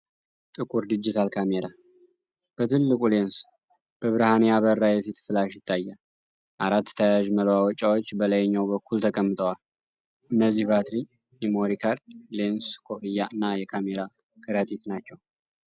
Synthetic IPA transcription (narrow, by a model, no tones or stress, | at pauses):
t̪ʼɨkʼuɾd̪ɨd͡ʒːɪt̪ʰalkʰameɾa | b̥ət̪ʰɨlːɨkʼulens | b̥əβɨɾhanejaβərːajɛfit̪fɨlaʃjɪt̪ʰːajːa | ʔaɾat̪ːt̪ʰajaʒməlwawɔt͡ʃʼːawot͡ʃːbələjɛɲːawbəkʰːult̪ʰəkʼəmːɨt̪ʼəwal | ʔɨnːəzːihbat̪ɾi | jɛmo̞ɾikʰaɾlenskʰofijaɨnːajɛkʰameɾa | kʰɨɾat̪ʼit̪nat͡ʃːɛw